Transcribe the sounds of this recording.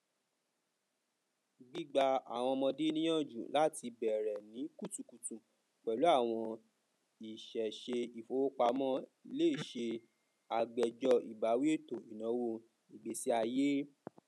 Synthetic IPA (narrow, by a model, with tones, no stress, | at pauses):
ɡ͡bi˦ɡ͡ba˧a̰˨w̃ɔ̃˧mɔ̃˧de˦nĩ˦j̃ã˦˨d͡ʒṵ̃˦˨la˦ti˧bɛ˨ɾɛ˨nĩ˨˦ku˦˨tũ˨ku˨tũ˨ | k͡pɛ˨lu˨˦a˦˨w̃ɔ̃˧ | i˨ʃɛ˨ʃe˧i˨fo˨˧wo˦k͡pa˧˦mɔ̃˦˨le˦i˦˨ʃe˧ | a˧ɡ͡bɛ˨d͡ʒɔ˧i˨ba˨˦wi˦e˦to˦˨i˨nã˨˦wo˦˨ | i˨ɡ͡be˨˦si˦a˧je˦